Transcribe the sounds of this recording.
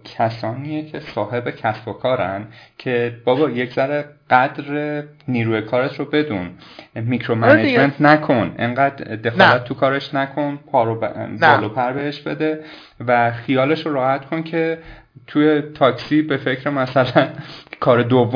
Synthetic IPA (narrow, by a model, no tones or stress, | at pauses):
cʰæsɒːniːjecʰe̞sɒːhe̞becʰæsb̥okʰɒːɾænd̪cʰe̞b̥ɒbɒːjecʰz̥æɾeɢ̥æd̪ɾeniːɾuːjekʰɒːɾet̪ɾobe̞d̪ṵnmicɾo̞mæned͡ʒment̪ʰnækʰo̞nʔḛŋɢæːd̪̥ːe̞xɒːlæt̪̚ʰːukʰɒːɾeʃnækʰo̞npʰɒːɾobɒːlɒːpʰæɾbe̞eʃb̥e̞̰d̪e̞ | væxijɒːle̞ʃoɾɒːhæt̪kʰo̞ncʰe̞ | t̪ʰujet̪ʰɒːksibe̞fe̞cʰɾemæsælænkʰɒːɾed̪ovː